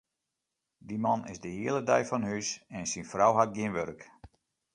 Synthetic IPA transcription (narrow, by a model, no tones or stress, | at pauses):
dimanɪ̰zdəhiəlˠədɛjfɔnhysɛnsinfrawɦat̚ɡɪnʋørk